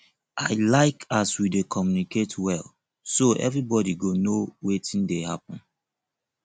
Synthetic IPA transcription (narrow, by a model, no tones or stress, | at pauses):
ʔaɪlaɪkaswidekʰɔmjuniketʰwɛl | soʔɛ̰vɹibɔdiɡonowetĩndehapɔ̃n